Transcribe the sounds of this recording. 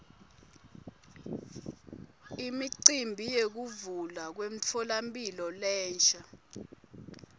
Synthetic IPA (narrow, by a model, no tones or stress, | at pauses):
imiǀimbʱijek̬uvulak̬wem̩t͡fʰɔlampʼilɔlɛːnt͡ʃʰʼa